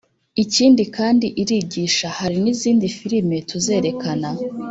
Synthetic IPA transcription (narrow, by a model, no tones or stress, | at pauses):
iciːndikaːndiʔiɾiɟiːʃahaɾiniziːndifiɾime̞tʰuze̞ːɾe̞kana